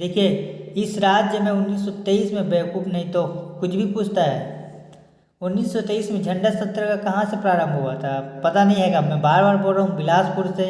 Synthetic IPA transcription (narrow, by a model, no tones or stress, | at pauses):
d̪eːkʰijeɪsɾaːt̪d͡ʒjəmẽʊnːiːsːɔt̪eiːsmẽbekuːpnɐɦĩt̪okʊt͡ʃʰbʱipuːt͡ʃʰt̪aɦɛː | ʊnːiːsːɔt̪eːiːsmẽd͡ʒʱɐ̃ɳɖəsɐt̪ːɾəkakɐɦãsepɾaːɾə̃mbʱɦuat̪ʰapɐt̪anɐɦĩɦɛːɡamɛ̃baːɾbaːɾboɾaɦũbɪlaːspʊɾse